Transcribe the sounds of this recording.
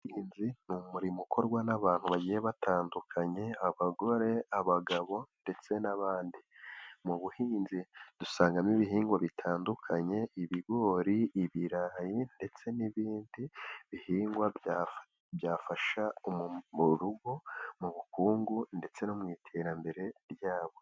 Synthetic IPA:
hiːnzimumuɾimukʰo̞ɾɡwanaβaːn̥huβaɟijeβatʰaːndukʰaɲe̞aβaɡo̞ɾe̞aβaɡaβo̞nde̞t͡se̞naβaːndimuβuhiːnzid̥usaːŋɡamiβiɦiːŋɡwaβitʰaːndukʰaɲe̞iβiɡo̞ːɾiiβiɾajinde̞t͡se̞niβiːndiβihiːŋɡwa | bjaːfaʃaomuɾuɡo̞muβukuːŋɡunde̞t͡se̞nomŋiːtʰe̞ːɾambe̞ɾe̞ɾjaːβo̞

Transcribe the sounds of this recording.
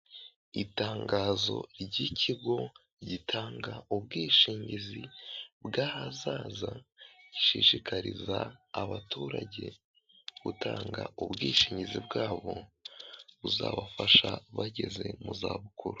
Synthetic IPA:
itaːŋɡaːzo̞̰ɟicʰiɡo̞ | ɟitʰaːŋɡaubɡiːʃiːɲɟizibɡaːhazaːzaɟiʃiʃikaɾizaːβatuːɾaɟe̞̰ | ɡutʰaːŋɡaʔubɡiːʃiːɲɟizibɡaːβo̞ | βuzaːβafaʃaβaɟe̞ze̞̰muzaːβukʰuɾu

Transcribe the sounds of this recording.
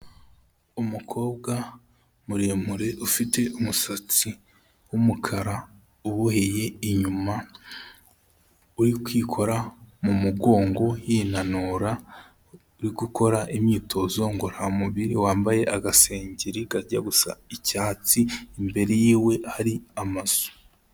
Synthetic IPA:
umukʰo̞ːbɡa | muɾemuɾe̞ʔufite̞umusat͡si | wumukʰaɾa | uβuheje̞iɲuma | uɾikwiːkʰo̞ɾamumuɡo̞ːŋɡo̞jinanuɾa | uɾiɡukʰo̞ɾaʔimɲiːtʰo̞zo̞ŋɡoɾamuβiɾiwaːmbaje̞ʔaɡase̞ːɲɟeɾiɡaɾɟaɡusa̰icaːt͡siːmbe̞ɾejiːwe̞haɾiamaz̥o̥

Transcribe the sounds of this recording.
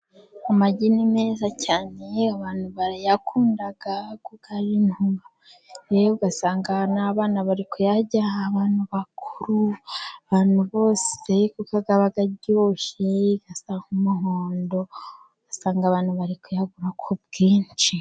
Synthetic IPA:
amaɟinimezacaːneaβaːnuβaɾjakʰuːndaɡ̥akuɡaɾinhua | ejoɡasaːŋɡanaβaːnaβaɾikʰo̞jaɟaaβaːn̥huβakʰuɾuaβaːn̥huβo̞ːsekukaɡaβaɡaɟoːʃeɡ̥asahumuɦoːndo̞̥ | asaːŋɡaβaːnhuβaɾikʰojaɡuɾakʰob̚ɡiːnt͡ʃi

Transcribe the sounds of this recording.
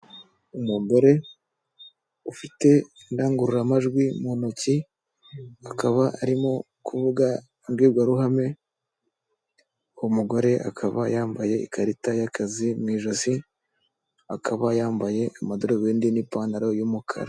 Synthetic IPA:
umumboɾe̞ | ufite̞indaːŋɡuɾuɾamaʒɡwimonoci | akaβaʔaɾimo̞ | kʰuvuɡa | nɡwiːɾɡwaɾuɦame̞ | muɡo̞ɾe̞ʔa̰kʰaβajaːmbaje̞ḭkʰaɾitajakʰazimŋiːʒosi | akʰaβajaːmbaje̞ʔamadoɾoβeːndinipaːnaɾojumukʰa̰ɾa

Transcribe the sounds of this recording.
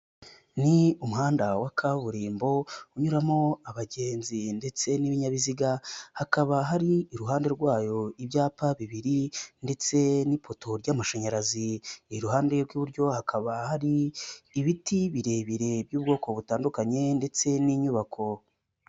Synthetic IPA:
niumuhaːndawakʰaβuɾiːmbo̞uɲuɾamo̞aβaɟe̞ːnzinde̞t͡se̞niβiɲaβiziɡahakaβaɦaɾiːɾuɦaːnde̞ɾɡwaːjo̞ibjaːpaβiβiɾinde̞t͡se̞nipo̞tʰo̞ɾjamaʃeɲaɾaziiɾuɦaːnde̞ɾɡwuβuɾɟo̞hakʰaβahaɾiːβitiβiɾe̞βiɾe̞bjuːb̚ɡo̞ːko̞βutaːndukaɲe̞nde̞t͡se̞niɲuβakʰo̞

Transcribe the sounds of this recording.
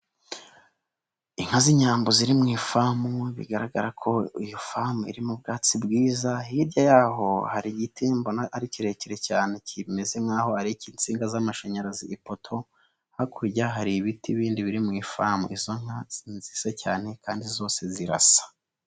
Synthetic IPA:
iŋ̥haziɲaːmboziɾimŋiːfamuβḭɡaɾaɡaɾakʰo̞ijofamuḭɾimub̚ɡaːt͡sibɡiːzahiɾɟajaːɦo̞haɾiɟitimbonaaɾiciɾe̞ceɾe̞caːne̞cʰime̞ze̞ŋaːho̞haɾiciːnt͡siːŋɡazamaʃaɲaɾaziipo̞tʰo̞ | hakʰuɾɟaɦaɾiβitiβiːndiβiɾimŋiːfamuizo̞ŋ̥hanzisacaːne̞kaːndizo̞ːse̞ziɾa̰sḁ

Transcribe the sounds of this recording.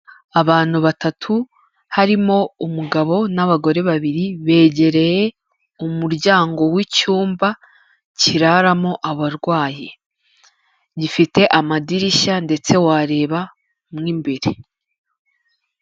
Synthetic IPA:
aβaːn̥huβatatʰu | haɾimo̞umuɡaβo̞naβaɡo̞ɾe̞βaβiɾiβe̞ːɟe̞ɾe̞je | umuɾɟaːŋɡo̞wicuːmba | ciɾaɾamo̞ʔaβaɾɡwaːje | ɟifite̞ʔamadiɾiʃande̞t͡se̞waːɾe̞ːβa | mŋiːmbe̞ɾe

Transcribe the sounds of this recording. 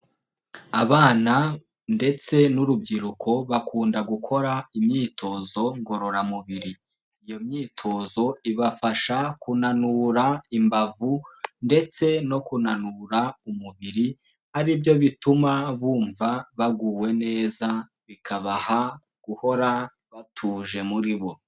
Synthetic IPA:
aβaːna | nde̞t͡se̞nuɾubɡiɾukʰo̞βakʰuːndaɡukʰo̞ɾaimɲiːtʰo̞zo̞ŋɡo̞ɾo̞ɾamuβiɾi | ijo̞mɲiːtʰo̞zo̞iβafaʃakunanuːɾaimbavunde̞t͡se̞no̞kunanuɾaumuβiɾi | haɾibjo̞βitumaβuːɱvaβaɡuːwe̞ne̞ːza | βikʰaβaha | ɡ̥uho̞ɾa | βatʰuːʒe̞muɾiβo̞

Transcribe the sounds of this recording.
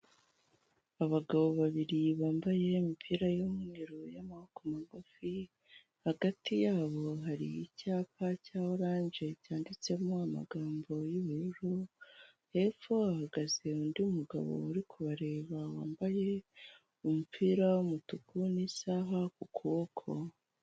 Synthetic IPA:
aβaɡaβo̞βaβiɾiβaːmbaje̞mipʰiːɾajumuŋiɾojamahokomaɡufi | haɡatijaːβo̞ɦaɾḭːcaːpacaːwoɾaːnʒe̞caːndit͡se̞moama̰ɡaːmbo̞jiβiuɾo | he̞ːfuahaɡaze̞uːndiumuɡa̰βo̞̰uɾikʰuβaɾe̞ːβawa̰ːmbaje̞ | umupʰiːɾaumutukunisaːɦakukʰoːkʰo̰

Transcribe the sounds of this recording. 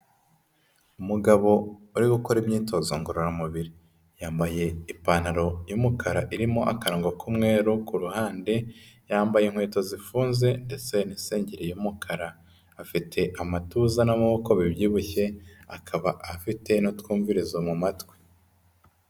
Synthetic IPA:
umuɡaβo̞uɾiɡukoɾimɲiːto̞zoŋɡoɾoɾamuβiɾi | jaːmbaje̞ipaːnaɾo̞jumukʰaɾaʔiɾimo̞ʔa̰kaɾoːŋɡokumŋe̞ːɾukuɾuhaːnde̞jaːmbajeŋhweːto̞zifuːnze̞nde̞t͡se̞ninse̞ːɲɟeɾejumukʰaɾaː | fitʰe̞ʔamatuzanamuβoko̞βiβjiːβuçe̞akʰaβaʔafite̞notkwuːɱviɾizomumatwe̥

